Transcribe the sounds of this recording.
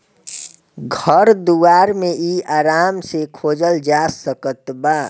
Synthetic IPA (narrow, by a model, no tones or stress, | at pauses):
ɡʱəɾd̪uaːɾmẽiaːɾaːmsekʰoːd͡ʒəld͡ʒasəkət̪baː